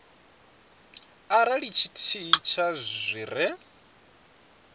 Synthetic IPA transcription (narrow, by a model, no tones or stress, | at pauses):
aɾaɺit͡ʃʰitʰit͡ʃʰazʷiːɾɛ